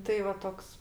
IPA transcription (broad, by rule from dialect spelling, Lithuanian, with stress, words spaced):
ˈtɐɪ ʋɐ ˈtoːks